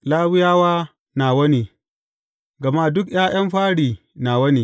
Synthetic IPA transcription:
laː˦wɪ˦jaː˦waː˦ | naː˨wɐ˦ni˨ | ɡɐ˨maː˦dʊ˦kj̰aː˦j̰ɐ˦mɸaː˦ɽiː˨ | naː˨wɐ˦ni˨

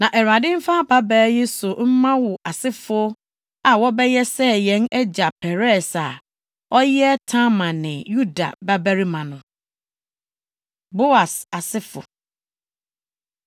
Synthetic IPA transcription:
nã˨ʔɛ˨ɾa˨dɪ̃˦m̩˦fã˦pa˦bɛː˦je˦sʊ˨m̩˦mã˦wʊ˨ʔa˨sɪ˦fʊ˦ | a˨wɔ˦bɛ˦jɛ˦sɛ˦jɛ̃˨˦nɛ˦d͡ʑa˨pʰɛ˨ɾɛ˦˨sa˨ | ɔ˦jɛ˦tʰã˦mã˨nɪ̃˨ju˦da̰˨ba˦bæ˦ɾi˦mã˨nʊ̃˨ | bo˦a˨sa˨sɪ˦fʊ̰˨

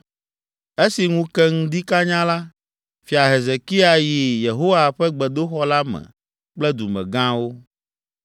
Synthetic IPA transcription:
e˦si˨ŋũ˦kɛ˦ŋũ˦d̪i˦ka˦ɲã˦la˦ | fi˨a˨ɦe˨ze˨ki˦a˨ji˨je˨ɦo˦wa˨ɸɛ˦ɡ͡bɛ˨d̪o˦xɔ˦la˦mɛ̰̃˨ | k͡plɛ˦d̪u˨mɛ̰̃˨ɡã˦wo˦

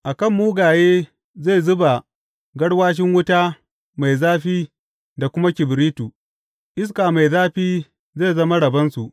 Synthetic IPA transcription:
ʔa˨kɐ˦˨mːuː˦ɡaː˨jeː˦ | za˦˨zʊ˦ba˨ | ɡɐ˦ɽwaː˦ʃ̬ɪ˦ŋwʊ˦ta˦ | ma˨jzaː˦ɸiː˦ | da˨kʷʊ˦ma˦kʲɪ˨bɾiː˦tuː˨ | ʔɪ˦s̬kaː˨ma˨jzaː˦ɸiː˦ | ze˦˨zɐ˦ma˦ɽɐ˨bɐ˦nsu˨ʔ

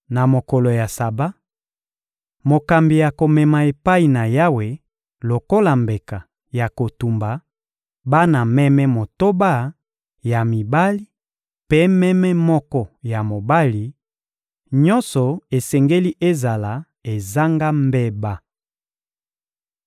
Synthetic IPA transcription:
na˨mo˨kɔ˨lo˨ja˨sa˨ba˦ | mo˨ka˨mbi˨ja˨ko˨mɛ˨ma˨e˨pa˦i˨na˨ja˦we˨ | lo˨ko˦la˨mbe˨ka˨ | ja˨ko˨tu˨mba˨ | ba˦na˨mɛ˦mɛ˦mo˨to˦ba˦ | ja˨mi˨ba˦li˦ | pe˦mɛ˦mɛ˦mɔ˦kɔ˦ja˨mo˨ba˦li˨ | ɲɔ˦nsɔ˨e˨sɛ˨ŋɡe˦li˦ʔe˦za˨la˨˦ | e˨za˦ŋɡa˦mbɛ˦ba˦

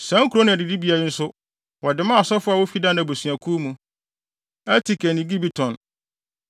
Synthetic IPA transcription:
sã˦ŋ̩˦kʰu˨ɾo˦nɪ̃˨ɛ˨dɪ˨di˦bi˨a˨ɪ˦n̩˦sʊ˦ | wɔ˨dɪ˨˦mã˦a˨sɔ˦fʊ˦a˨wo˦fi˦dã˦nã˨bo˨sɥa˨kʰu˦mũ˦ | ɛ˦tʰi˨kʰɛ˨nĩ˨ɡi˦bi˦tʰɔ̃˨n

